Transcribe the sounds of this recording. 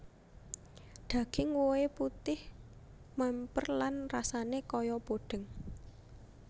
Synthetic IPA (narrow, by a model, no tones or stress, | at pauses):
ɖ̪̥a̤ɡ̥ɪŋwoeput̪ɪh | mɛmpərlanrasanekɔjɔb̥oɖ̥ə̤ŋ